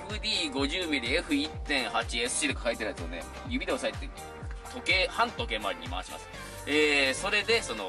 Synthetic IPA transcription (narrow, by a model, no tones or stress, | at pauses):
ɸɯ̟d̪ʲiːɡo̞ʑɨːmʲiɾʲieɸɯ̟it̪ːẽ̞ɰ̃hat͡ɕiesɨ̥ɕid̪okḁkait̪eɾet͡sɨone | jɯ̟bʲid̪eosait̪ːe | t̪ʰo̞ke̞hãnt̪o̞ke̞maɾʲiɲḭma̰ːɕima̰sɨ̥ | eːso̞ɾe̞d̪e̞so̞no̞